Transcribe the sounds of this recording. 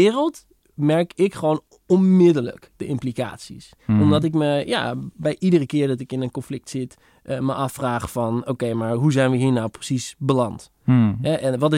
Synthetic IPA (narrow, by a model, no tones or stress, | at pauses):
ɪːrəlˠt | mɛɹkɪkχəʋoːn | ɔnmɪdələ̰kd̥əʔɪmplika̰ːtsḭs | ɔmdɔt̬ɪkməja̰bɛjʔidərəkɪːɹdɔtɪkɪnənkɔnflɪk̚tsɪt | ʔəməʔɑfraːχfɑnokejmaɹɦuzɛjnʋəɦiːnawprəsisbəlɑnt | ɦɛʔɛnʋɔtɪ